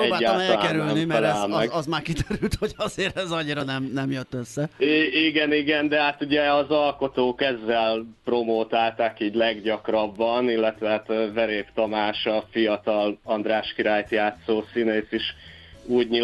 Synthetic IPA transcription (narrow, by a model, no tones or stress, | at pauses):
ɛbaːlːaɔmtɛlnkɛɾylnimɛɛɛlmɛɡɒzmaːrkid̪øɾylt̪hoɟɒzeːɾɛzɒɲiɾɒnɛmnɛmjøt̪ːøsːɛiiɡɛniɡɛnd̪ɛɦat̪uɟɛɒzɒlko̞t̪oːkɛzːɛlpro̞moːt̪aːlt̪akiːɟlɛɡɟɒkrɒbːɒnilːɛt̪ʋɛɦat̪vɛɾeːpt̪ɒmaːʃɒfijɒt̪ɒlɒnd̪raːʃkiɾaːjt̪jaːt̪soːsineːsiʃ | uːɟɲi